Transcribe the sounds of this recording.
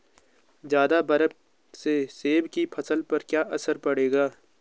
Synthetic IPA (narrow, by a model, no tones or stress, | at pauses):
d͡ʒjaːd̪abɐɾəp | seseːbkipʰɐsəlpɐɾkjaːʔɐsəɾpɐɽeːɡaː